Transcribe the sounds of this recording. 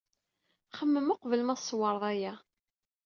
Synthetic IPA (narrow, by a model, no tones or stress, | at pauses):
χəmːəmʊqvəlmæsˤːwɑɾˤðˤæjæ